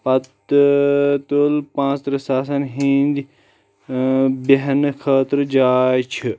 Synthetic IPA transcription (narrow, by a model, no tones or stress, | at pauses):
pɐt̪ | t̪oːlpãːt͡st̪ɾɐsaːsɐnɦĩnd̪i | beɦnkʰəːt̪ɾd͡ʒaːjt͡ʃʰi